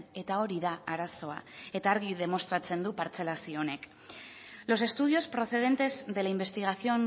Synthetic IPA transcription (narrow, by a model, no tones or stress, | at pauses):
e̞t̪ao̞ɾiðaaɾaso̞a̰e̞t̪aːɾɣ̞iðe̞mo̞st̪ɾat͡se̞nd̪upaɾt͡se̞lasioone̞k | lo̞se̞st̪uð̞io̞spɾo̞θe̞ðe̞nt̪e̞zðe̞laimbe̞st̪iɣ̞aθio̞n